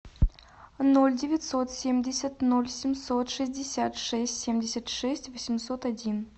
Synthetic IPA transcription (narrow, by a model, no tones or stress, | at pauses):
nolʲdʲɪvʲɪt̪ʲsot̪sʲemʲdʲɪsʲət̪ʲnolʲsʲɪmsot̪ʂɨzʲdʲɪsʲat̪ʂɛsʲtʲsʲemʲdʲɪsʲət̪ʂɛsʲtʲvosʲɪmsot̪adʲin